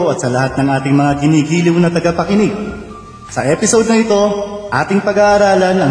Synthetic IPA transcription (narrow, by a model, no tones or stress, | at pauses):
ɐt̪̚sɐlɐhat̪̚nɐŋʔaːt̪ɪŋmɐŋakɪniːɡiːlɪwnɐt̪ɐɡɐpɐkɪnɪɡ̚ | sɐʔɛːpɪsod̪̚nɐʔɪt̪o̞ʔa̰ːt̪ɪŋpɐɡaːʔːɾaːlɐnɐ